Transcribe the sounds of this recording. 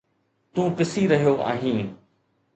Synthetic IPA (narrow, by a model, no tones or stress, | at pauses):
t̪ũːpɪsiɾɐɦijoʔa̰ːɦĩː